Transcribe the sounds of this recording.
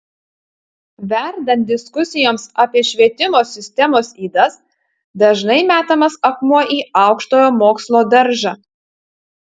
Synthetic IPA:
ʋʲɛɾd̪ɐnt̪̚ʲd̪ʲɪskʊsʲɪjoːmsɑːpʲiɛʃʲʋʲiɛt̪ʲɪmoːsʲɪsʲt̪ʲɛmoːsiːd̪ɐs | d̪ɐʒnɐɪmʲæːt̪ɐmɐsɐkmuɔʔiːɑˑʊkʃt̪oːjoːmoːkslˠoːd̪ɐɾʲʒɑ

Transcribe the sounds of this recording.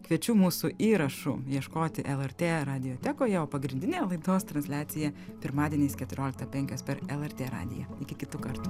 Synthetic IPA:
kʋʲiɛt͡ʃʲuːmuːsʊʔiːɾɐʃʊ̰jiɛʃkoːt̪ʲɪʔɛlˠɛɾʲt̪ʲeːɾɑːd̪ʲɪjoːt̪ʲæːkoːjɛoːpɐɡɾʲɪnʲd̪ʲɪnʲeːjlˠɐɪd̪oːst̪ɾɐnsʲlʲæːt̪sʲɪjɛpʲɪɾmɑːd̪ʲiɛnʲiːskʲɛt̪ʊɾʲoːlʲɪk̚t̪ɐpʲɛŋʲkʲoːspʲɛɾɛlˠɛɾʲt̪ʲeːɾɑ̰ːd̪ʲɪ̰jɛɪkʲɪkʲɪt̪ukɐɾt̪u

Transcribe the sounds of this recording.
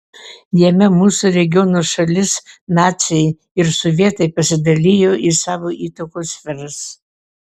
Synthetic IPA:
jɛmʲɛmuːsuɾʲɛɡʲɪjonoʃɐlʲɪsnɑːt̪t͡s̪ʲɛj | ɪɾsoʋʲiɛt̪ɐɪpɐsʲɪd̪ɐlʲijoːʔisɑːʋoːʔiːt̪ɐkoːsfʲɛɾɐs

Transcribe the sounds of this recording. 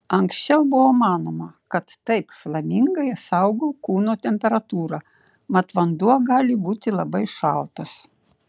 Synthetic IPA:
ɐŋksʲt͡ʃʲɛʊbʊʋoːmɑːnoːmɐkɐt̪ːɐɪpflˠɐmʲɪŋɡɐɪsɐʊɡoːkuːnoːt̪ʲɛmʲpʲɛɾɐt̪uːɾɑ | mɐt̪ʋɐnd̪uɔɡɑːlʲɪbuːt̪ʲɪlˠɐbɐɪʃɐˑlˠt̪ɐs

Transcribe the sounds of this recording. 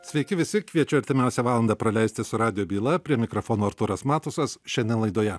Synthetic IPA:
sʲʋʲɛɪkʲɪʋʲɪsʲɪkʋʲiɛt͡ʃʲʊɐɾʲt̪ʲɪmʲæˑʊsʲɛʋɑːlˠɐnd̪ɑpɾɐlʲɛɪst̪ʲɪsʊɾɑːd̪ʲɪjoːbʲiːlˠɐpʲɾʲiɛmʲɪkɾofoːnoːɐɾt̪ʊɾɐsmɑːt̪ʊsɐsʃʲɛnʲd̪ʲɛnlˠɐɪd̪oːjɛ

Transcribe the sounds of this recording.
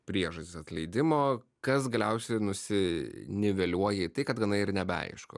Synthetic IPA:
pʲɾʲiɛʒɐsʲt̪ʲɪsɐt̪lʲɛɪd̪ʲɪmoː | kɐs̬ɡɐlʲɛʊsʲɛɪnʊsʲɪnʲɪʋʲɛlʲuɔjɛɪt̪ɐɪkɐt̪ɡɐnɐɪɪɾnʲɛbʲɛɐ̰ɪʃko̰

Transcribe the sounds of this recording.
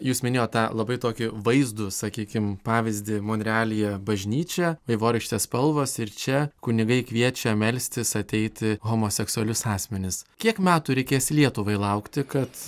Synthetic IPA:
juːsmʲɪnʲeːjoːt̪t̪ɑːlˠɐbɐɪt̪oːkʲɪʋɐɪzd̪ʊsɐkʲiːkʲɪmpɑːʋʲɪzʲd̪ʲɪmoːnʲɾʲɛɑːlʲɪjɛbɐʒʲnʲiːt͡ʃʲɛʋɐɪʋoːɾʲɪʃʲt̪ʲeːspɐlˠʋoːsɪɾt͡ʃʲɛkʊnʲɪɡɐɪkʋʲiɛt͡ʃʲɛmʲɛlʲsʲt̪ʲɪsɐt̪ʲɛɪt̪ʲɪɣoːmoːsʲɛksʊɐlʲʊsɑːsʲmʲɛnʲɪskʲiɛkmʲæːt̪ʊɾʲɛɪkʲeːsʲlʲiɛt̪ʊʋɐɪlˠɐʊkt̪ʲɪkɐt̪

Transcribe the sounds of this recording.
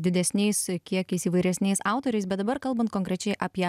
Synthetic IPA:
d̪ʲɪd̪ʲɛsʲnʲɛɪskʲiɛkʲɛɪsiːʋɐɪɾʲɛsʲnʲɛɪsɑˑʊt̪oːɾʲɛɪsbʲɛt̪d̪ɐbɐɾkɐlˠbɐnt̪̚koːŋʲkɾʲɛt͡ʃʲɛɪʔɐːpʲiɛ

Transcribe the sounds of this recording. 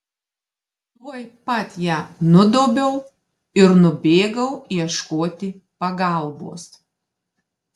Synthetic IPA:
t̪uɔjpɐt̪ʲjæːnʊd̪oːbʲɛʊ | ɪɾnʊbʲeːɡɐʊiɛʃkoːt̪ʲɪ | pɐɡɐˑlˠbo̰ːs

